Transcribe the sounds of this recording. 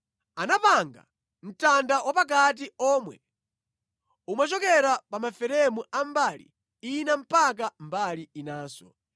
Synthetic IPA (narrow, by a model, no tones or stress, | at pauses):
anapaŋɡa̰ | m̩tandawapak̬at̬iɔːmwɛ | umat͡ʃɔkɛɾapamafɛɾɛmuambalḭ | inam̩pak̬ambaliinaːsɔ̰